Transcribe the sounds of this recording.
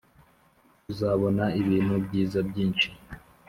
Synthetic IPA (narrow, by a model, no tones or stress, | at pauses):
uzaːβo̞naiβiːnhubɟiːzabɟiːnt͡ʃi̥